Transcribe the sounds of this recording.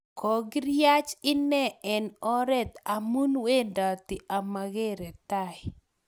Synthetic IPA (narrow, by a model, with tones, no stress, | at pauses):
kʰɔ˨ɡɾja˦t͡ʃɪ˦nɛ˦ɛ˨nɔ˦ɾɛ˦t̪a˨mu˦nwe˦nda˨t̪ɪ˨ʔa˨ma˨ɣe˦ɾɛ˨t̪a˨ɪ˨